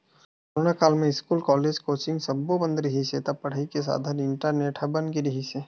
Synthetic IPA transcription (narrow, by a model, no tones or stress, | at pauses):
ʊɾnakaːlmẽɪskuːlkɔːleːd͡ʒkoːt͡ʃɪ̃ŋɡsɐbːobə̃nd̪ɾɐɦiset̪ɐbpːɐɽ̤əikes̬a̰ːd̪ʱanɪ̃ɳʈəɾneːʈʰabɐnɡiɾɐɦiseː